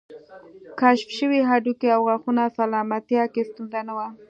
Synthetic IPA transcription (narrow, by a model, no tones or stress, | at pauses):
kaʃfʃəwiɦaɖukeawɣaxunasalɑmat̪jɑkest̪unzanawa